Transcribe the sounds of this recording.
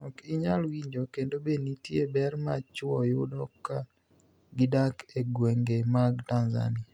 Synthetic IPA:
ɔkɪɲalwiɲd͡ʒokendobenitjebɛrmat͡ʃwɔjʊdɔkːa | ɡɪdakeɡweŋɡemaɡtanza̰nia

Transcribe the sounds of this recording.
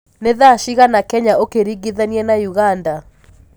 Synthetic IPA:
neðaʃiɣanakɛɲaokeɾiɡiðɛniɛnajuɣanda

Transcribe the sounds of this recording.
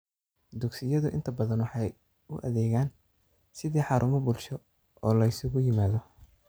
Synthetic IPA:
d̪ʊɡsɪjɐðʊʔɪ̰nt̪ʰɐbɐðɐnwɑħɑj | ʊʔɐ̰ðɛːɣaːn | sɪðiːħɑːɾʔʊmɔbʊlʃɔ | ɔːlɐɪsʊɣʊjɪmaːðɔ

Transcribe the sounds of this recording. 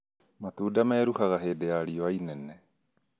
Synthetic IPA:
mat̪uːdamɛɾuhaɣaɦedeaɾioainɛnɛ

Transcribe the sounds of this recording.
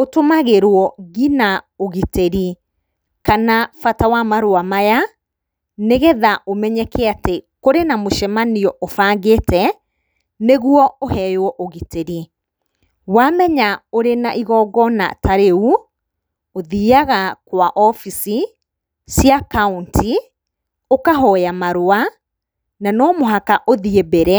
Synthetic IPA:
otomaɣeɾwɔɣina | oɣiteɾi | kanafatawamaɾoamaja | neɣɛðaʔomɛɲɛkɛatekoɾenamoʃɛmaniɔʔofaːŋɡetɛ | neɣwɔohɛjowɔʔoɣiteɾi | wamɛɲaoɾenaʔiɣɔɡɔna̰taɾeu | oðiːaɣakwaʔɔfisi | siakauntʰi | okaɦɔjamaɾoa | nanɔmoɦakaʔoðiebeɾɛ

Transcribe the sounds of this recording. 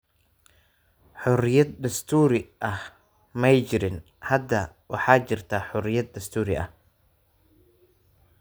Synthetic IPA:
ħʊrɪjɐd̪̚d̪ɐst̪ʰuːɾɪʔɐh | mɛjt͡ʃɪɾɪn | hɐd̪ɐwɑħɑːt͡ʃɪrt̪ʰaːħʊrɪjɐd̪̚d̪ɐst̪ʰuːɾɪʔɐ̰h

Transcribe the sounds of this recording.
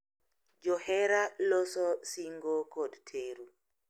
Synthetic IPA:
d͡ʒɔhɛɾalɔsɔsiŋɡɔkʰɔdtʰeːɾu

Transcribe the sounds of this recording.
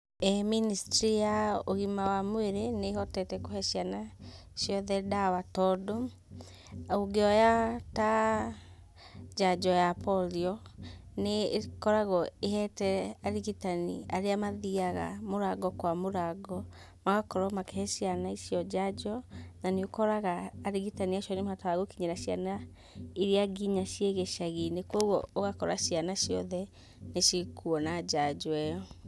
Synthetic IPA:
ɛministɾijaoɣimawamoeɾeneɦɔtɛtɛkohɛsjanaʃjɔðɛdawatɔdɔ | auɡeɔjata | d͡ʒad͡ʒɔjapʰɔliɔnekɔɾaɣɔeɦɛtɛaɾiɣitanḭaɾeamaðiaɣa̰moɾaɡɔkwamoɾaɡɔ | maɣakɔɾɔmakɛhɛsianaisijɔd͡ʒad͡ʒɔnaneokɔɾaɣaːɾiɣitaniaʃɔnemaatɔaɣokiɲɛɾaɕia̰na | iɾeaɡiɲaʃieɣɛʃaɣinekwɔɣwɔ̰oɣakɔɾa̰ʃianaʃiɔ̰ðɛ | neʃikuɔnad͡ʒad͡ʒɔɛɔ

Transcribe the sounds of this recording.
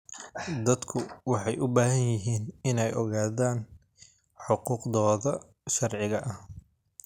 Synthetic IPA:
d̪ɐd̪kʰʊwɑħɑjʔʊbaːɦɐnjɪɦiːnɪnɛjɔɣaːðaːn | ħʊquːqðɔːðɐ | ʃɐrʕɪɣɐʔɐh

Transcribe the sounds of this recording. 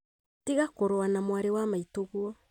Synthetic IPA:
tiɣakoɾoanamwaɾewamaitoɣwɔ

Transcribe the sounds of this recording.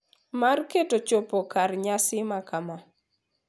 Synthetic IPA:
marketot͡ʃopokarɲasɪmakama

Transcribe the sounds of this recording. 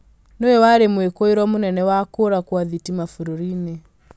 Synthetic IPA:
noewaɾemwekoeɾwɔmonɛnɛwakoɾakwaðitimafuɾoɾine

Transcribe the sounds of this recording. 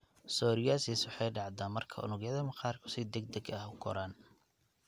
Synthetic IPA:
sɔːɾɪjasiswʊħɑjɖɑʕd̪aːnmɐrkʰɐ̰ʔʊ̰nʊɣjɐðɐmɐqɑːrkʰʊ̥sɪd̪ɛɡ̚d̪ɛɡɐhʊɡʰɔ̰ɾaːn

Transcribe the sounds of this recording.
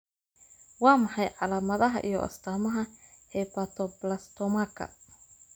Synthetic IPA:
wɑːmɑħɑjʕɑlaːmɐðɐɦɐ̰ʔḭjɔ̰ʔɐ̰st̪ʰaːmɐɦɐhɛjpat̪ʰɔblast̪ɔmakʰɐ̰

